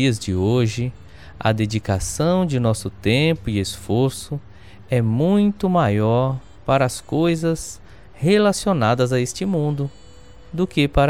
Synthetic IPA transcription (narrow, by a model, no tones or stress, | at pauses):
iɐzd͡ʒɪoʒɪ | ɐ̰d̪ed͡ʒikasɐ̃w̃d͡ʒɪnɔsʊt̪ẽpʊɪesfoɾsʊ | ɛmũj̃t̪ʊmajɔɾ | paɾɐːskojzɐs | helasionad̪ɐzɐest͡ʃɪmũnd̪ʊ | d̪ʊkepaɾ